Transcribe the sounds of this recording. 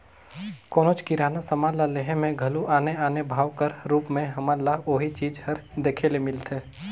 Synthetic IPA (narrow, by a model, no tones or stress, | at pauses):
koːnoːt͡ʃkiɾaːnasəmalaleɦẽmẽɡʱɐluʔaːneaːnebʱaːʋkəɾɾuːpmẽɦɐmalaɦoːɦit͡ʃiːd͡ʒhɐɾd̪eːkʰelemɪlt̪ʰeː